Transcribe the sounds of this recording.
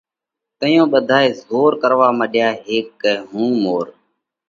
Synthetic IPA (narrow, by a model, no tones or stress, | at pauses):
t̪əjõːɓəd̪ʱaːeːzoːɾkəɾʋaːməɗjaːɦeːkːəːɦũːmoːɾ